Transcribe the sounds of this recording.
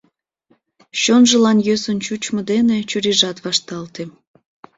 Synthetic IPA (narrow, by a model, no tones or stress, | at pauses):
ɕonʒəlɑnjøsənt͡ɕut͡ɕməd̪enet͡ɕuɾiʒɑt̪βɑʃt̪ɑlt̪e